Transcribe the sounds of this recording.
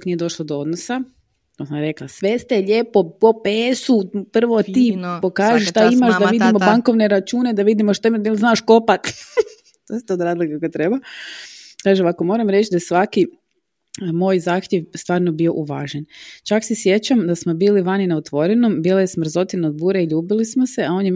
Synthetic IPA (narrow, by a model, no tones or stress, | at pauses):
knijed̪o̞ʃlˠod̪oo̞d̪nosa | t̪osmɾe̞klasʋe̞st̪eʎepopopeːsupr̩ʋot̪iːpo̞kaːʒiʃʃt̪aimaʃd̪aʋid̪imobaŋko̞ʋne̞ɾat͡ʃuːne̞d̪aʋid̪imoʃt̪aimat̪lznaːʃkopat̪ | t̪oest̪eod̪ɾaːzlˠikakot̪ɾeba | kaːʒeʋakomo̞ɾamɾe̞t͡ʃd̪ajesʋaki | moːjzaːxt̪jeʋst̪ʋaːɾnobio̞ʔuʋaːʒent͡ʃaksesje̞t͡ɕamd̪asmobiːliʋaninaot̪ʋo̞ɾenombiːlajesmr̩zo̞t̪inaod̪̚buːɾeiʎuːbilismose̞ao̞nje